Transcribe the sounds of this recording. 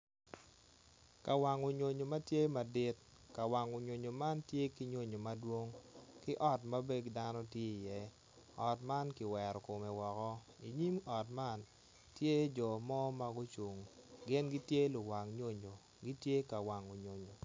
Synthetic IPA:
ka˨wa˨ŋo˨ɲo˨ɲo˨ma˦tje˦ma˨dɪ˦t̚ | ka˨wa˨ŋo˨ɲo˨ɲo˨ma˦ntje˦ki˦ɲwo˦ɲo˨ma˦dwo˦ŋkɪ˦ʔɔ˦tma˦be˦ɡda˦nɔ˦tje˦i˨jɛ˦ | ɔ˨tma˦nkɪ˨wɛ˨ɾɔ˨ko˨me˨wɔ˨kɔ˦ | i˨ɲi˦mɔ˨tma˦n | tje˦d͡ʒɔ˨mɔ˦ma˦ɡʊ˦t͡ʃo˨ŋɡɪ˦nɡɪ˦tje˦lʊ˨wa˨ŋɲo˦ɲo˨ | ɡi˦tje˦ka˨wa˨ŋo˨ɲo˨ɲo˨

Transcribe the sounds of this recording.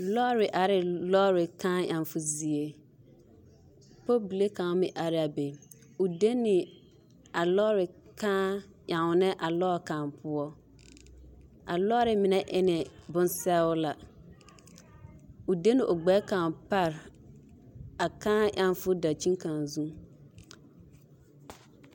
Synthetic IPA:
lɔ˦ɾɪ˨ʔa˨ɾɪ˨lɔ˦ɾɪ˨kãː˦ja˨nfʊ˦zi˨e˨ | po˦bi˨le˦kã˨˦mɪ˨ʔa˨ɾɪ˦a˨be˨ | ʊ˨de˦nɪ˨ | a˨lɔː˦ɾɪ˨kãː˦ | jã˨ŋʊ˨nɛ˦ʔa˨lɔː˦˨kã˨mpʰʊ˦ɔ˦ | ʔa̰˨lɔ˦ɾɪ˨mɪ˨nɛ˦ʔɪ˦nɪ˨bʊ̃˦nsɛ˦ʊ˦la˨ | ʊ˨de˦nɪ˨ʔo˨ɡ͡bɛː˦kã˨pa˦ɾ | a˨kãː˦ʔã˦nfʊ˦da˨t͡ʃi˦ŋ˦kã˨nzũ˦

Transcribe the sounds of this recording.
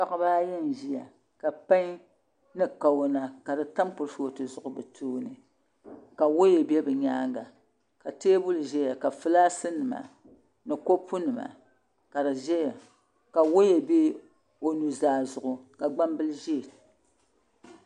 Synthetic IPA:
pa˦ʔa˦baː˦jɛ˦n˨ʒi˦ja̰˨ | ka˨pa˦ɲ˦ | nɨ˦ka˨wna˨ka˨dɨ˨ta˦mk͡pʊ˨ɾfo˨tɨ˨zʊ˨ʔʊ˨bɨ˨tʰoː˦nɨ˨ | ka˨wo˦jɛ˨bɛ˦bɨ˨ɲaː˦ŋɡa˨ | ka˨teː˦bʊ˦lʒɛ˦ja˨ka˨fɨ˦laː˦sɨ˦nɨ˨ma̰˨ | nɨ˨ko˦pʰu˦nɨ˨ma̰˨ | ka˨dɨ˨ʒɛ˦ja˨ | ka˨wo˦jɛ˨be˦ | o˨nu˨zaː˨zʊ˨ʔʊ˨ka˨ɡ͡ba˦mbɨ˦lɨ˦ʒe˦˨

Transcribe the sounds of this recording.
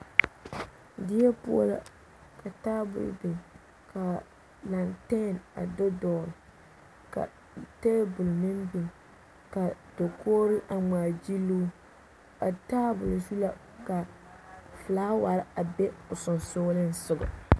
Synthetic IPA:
dɪ˦ɛ˦pʊ̰˦ɔ˦la̰˦ | ka˨taː˦bʊ̰˨l̰bi˨m | ka˨ | la˨ntɛ˦˨na̰˨dɔ˦dɔː˨ɾɨ˨ | ka̰˨ | teː˦bʊ˨lnɨ˦nbi˨ŋ | ka˨d̥o˨koː˦ɾɨ˦ʔa˨ŋ͡maː˨d͡ʒi˦luː˦ | a˨taː˦bʊ˨lsu˦la˦ | ka˨ | flaː˦wa˨ɾɪ˦a˨bɛ˦ʊ˨sʊ˨nsoː˦lɨ˦n˦sʊ˨ɡʊ̰˨

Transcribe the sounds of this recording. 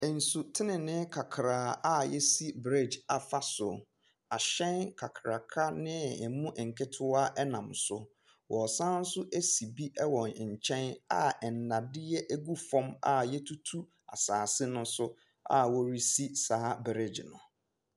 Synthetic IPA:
n̩˨su˨tʰɪ˦nɪ̃˨nɪ̃˦kʰa˨kʰɾaː˨˦a˦jɛ˦si˦bɾe˦˨d͡ʒa˨fa˦sʊ˨ | a˨ɕɛ̃˦nkʰa˨kʰɾa˨kʰa˦nɪ̃˦ɛ˨mũ˦ʔɛ˨ŋ̩˨kʰɪ˦tʰʊ˦a˦ʔɛ˦nã˨msʊ˦ | wʔɔ˨sã˦n̩˦sʊ˦ʔe˦si˨bi˦ʔɛ˦wɔ̃˨n˨ɲ̩˨t͡ɕʰɛ̃˦na˦ɛ˨n̩˨nã˨dɪ˦jɛ˦ʔæ˦ɡu˦fɔ̃˦ma̰˦˨jɛ˦tʰu˦tʰu˦ | a̰˨saː˨sɪ˦nʊ̃˦sʊ˦ | a̰˦˨wɔ˦ɾi˦si˦saː˨˦bɾɪ˦d͡ʑnʊ̰̃˨

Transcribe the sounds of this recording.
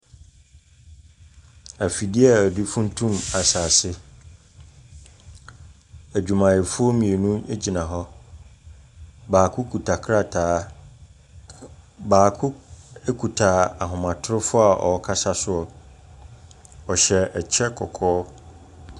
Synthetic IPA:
æ˨fi˨di˦ɛ˦˨di˦fũ˦n̩˦tʰũ˦ma˨sa˨sɪ˦ | æ˨d͡ʑᶣu˨mã˨jɛ˨fʊ˦ɔ˦mĩ˨e˨nũ˦e˦d͡ʑi˨nã˨ɦɔ˦ | baː˨kʰʊ˦kʰu˨tʰa˨kʰɾa˦tʰaː˨˦ | baː˨kʰʊ˦e˦kʰu˨tʰa˨a˨ɦʊ̃˨mã˨tʰʊ˦ɾɪ˦fʊ˦a˨ʔɔ̰˨ɔ˦kʰa˦sa˦sʊ˦ɔ˨ | ɔ˨ɕɛ˨ɛ˨t͡ɕʰɛ˦kʰɔ˨kʰɔː˦

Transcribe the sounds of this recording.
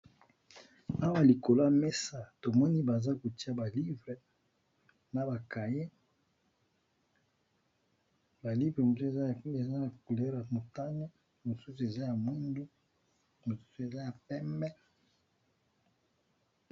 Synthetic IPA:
a˦wa˦li˨ko˨la˦˨me˦sa˦to˨mɔ˦ni˦ba˨za˦ko˨ti˦a˦ba˨li˦vʁe˨ | na˨ba˨ka˨je˦ | ba˨li˦vʁe˨mo˨se˦˨za˦˨e˨za˦na˨ku˨lɛ˦ʁa˨mo˨ta˦ne˦ | mo˨su˦su˨e˨za˦ja˨mwi˦ndu˦ | mo˨su̥˦su˨e˨za˦ja˨pɛ˦mbɛ˦

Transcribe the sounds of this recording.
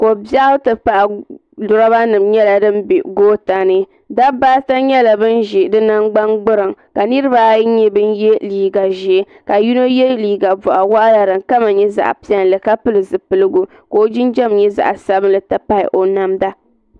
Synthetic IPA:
ko˨ba˦ʔtɨ˨pa˨ʔ | dʊ˨ɾa˦ba˦nɨ˨mɲɛ˦la˨dɨ˦mbḭ˨ɡoː˦ta˨nɨ˦ | da˦baː˦ta˦ɲɛ˦la˨bɨ˦nʒi˨dɨ˦na˦ŋɡ͡ba˦ŋɡ͡bɨ˦ɾɨ˨ŋka˨nɨ˦ɾɨ˦ba˦ɲɛ˦bɨ˦njɛ˦liː˨ɡa˨ʒi˨˦ | ka˨ju˦no˦jɛ˦liː˨ɡa˨vʊ˨ʔa˨wa˦ʔa˦ja˨ɾɨ˨ŋka˦ma˨ɲɛ˦za̰˨ʔpi˦ɛ˨nlɨ˨ka˦pɨ˦lɨ˨zɨ˨pɨ˨lɨ˦ɡu˨ | ko˦d͡ʒɪ˦nd͡ʒɛ˦mɲɛ˦za̰˨ʔsa˦bɨ˦nlɨ˨ta˨pa˦ɪ̰˨ʔo˨na˦mda˦

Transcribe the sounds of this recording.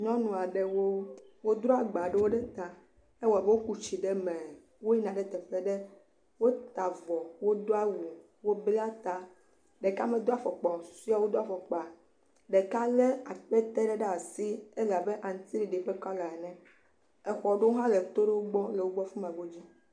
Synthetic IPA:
ɲɔ̃˦nũ˨a˨ɖe˦wo˦wo˦d̪ɾo˦a˨ɡ͡ba˨ɖe˦wo˦ɖɛ˦t̪a˨ | e˦wɔ˨a˨be˦wo˦ku˦t͡ɕi˨ɖe˦mɛ̃˨ | wo˦ji˦nã˨ɖɛ˨t̪ɛ˨ɸe˦ɖe˦ | wo˦t̪a˨vɔ˨wo˦d̪o˦a˦wu˨ | wo˦bla˦t̪a˨ | ɖe˨ka˦mẽ˦d̪o˦a˨fɔ˨k͡pɔ˨su̥˨˦si˦a˨wo˦d̪o˦a˨fɔ˨k͡pɔ˨a˨ | ɖe˨ka˦le˦a˨k͡pɛ˦t̪e˦ɖɛ˦ɖɛ˦a˨si˦e˦la˨be˦ʔa˨ŋ̩˨˦t̪i˦ɾi˨ɖe˨ɸe˦kɔ˦la˨ɛ˨nɛ̃˦ | ɛ˨xɔ˨ɖe˦wo˦ɦã˦le˨t̪o˦ɖe˦wo˦ɡ͡bɔ˦le˨wo˦ɡ͡bɔ˦fu˦m˨ã˨ɡo˦d͡ʑi˦

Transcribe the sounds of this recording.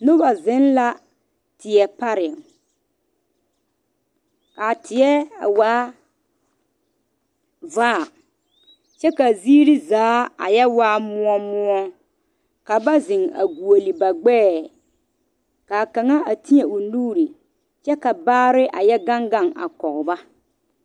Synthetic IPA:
nʊ˦ba˨zɪ˨˦nla˦ | tɪ˨ɛ˨pa˦ɾɪ˨ | ka˨tʰɪ˨ɛ˦a̰˨waː˦ | vaː˦˨ | t͡ʃɛ˦ka˨ziː˦ɾi˦zaː˨˦a̰˨jɛ˦waː˦mʊ˦ɔ˦mʊ˦ɔ˦ | ka˨ba˦zɪ˨ŋa̰˨ɡu˨o˨li˨ba˨ɡ͡bɛː˦˨ | ka˨ka˨ŋa˦a˨ti˦ɛ˨ʊ˨nuː˦ɾi˨ | t͡ʃɛ˦ka˨baː˦ɾɪ˦ʔa˨jɛ˦ɡa˦ŋɡa˦˨ŋa̰˨kɔ˨ɣʊ˨ba˦

